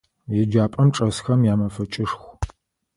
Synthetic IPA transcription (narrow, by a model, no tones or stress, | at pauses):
jɛd͡ʒaːpʼɐmʈ͡ʂʼɐsxɐmjaːmɐfɐt͡ʃʼɪʂxʷ